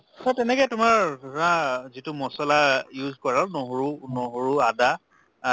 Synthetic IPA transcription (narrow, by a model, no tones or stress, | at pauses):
satɛnɛkɔjtʊmaɹdʱãzitʊmɔsɔlajuzkɔɹanoɦoɹunɔɦoɹuada